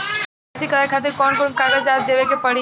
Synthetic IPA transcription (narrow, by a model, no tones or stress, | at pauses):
sikɐɾakʰaːt̪̬ɪɾkɔːnkoːnkaːɡəzaːt̪̚d͡ʑeːʋekʰepɐɽi